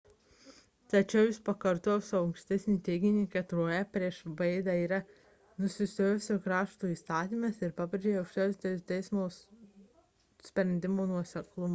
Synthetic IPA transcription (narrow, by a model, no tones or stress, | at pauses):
t̪ɐt͡ʃʲɛʊjɪspɐkɐɾt̪oːjosɐʊʊŋkʃʲt̪ʲɛsʲnʲiːt̪ʲɛɪɡʲɪnʲiːkʲɛt̪ɾoːjɛpʲɾʲiɛʃʋɐɪd̪ɑiːɾɐ | nʊsʲɪsʲt̪ʲoːjoːsʲʊkɾɑːʃt̪uːiːst̪ɑːt̪ʲiːˑmɐsɪɾpɑːpʲɾʲed͡ʒʲeːjɐʊkʃʲt̪ʲoːsʲt̪ʲɛt̪ʲɛɪsmoːs | sʲpʲɾʲɛnʲd̪ʲɪmoːnuɔsʲɛklˠʊmɐ